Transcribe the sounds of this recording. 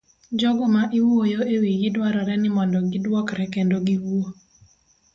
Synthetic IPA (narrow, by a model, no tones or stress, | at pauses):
d͡ʒɔɡɔmaʔɪwojoewiɡɪdwaɾɔɾɛnɪmɔndɔɡɪdwɔkɾɛkendoɡiwuo